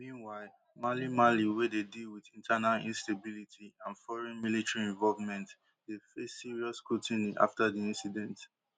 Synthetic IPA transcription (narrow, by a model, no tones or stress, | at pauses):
mĩnwaɪl | malimaliwededilwiθĩntʰanalḭ̃nstabilitʰiãnfɔɹɛ̃nmilitɹiɛ̃ɱvɔlvmɛ̃nt | defesːiɹiɔskɹutĩniʔa̰ftadiĩnsidɛ̃nt